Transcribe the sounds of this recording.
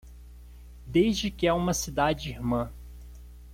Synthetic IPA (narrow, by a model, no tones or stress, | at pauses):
d̪ezd͡ʒɪkɪaũmɐsid̪ad͡ʒɪihmɐ̃